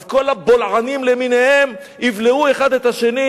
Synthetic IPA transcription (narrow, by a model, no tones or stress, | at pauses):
zko̞labo̞lʕanimleminehem | ivleue̞χad̪et̪haʃe̞ni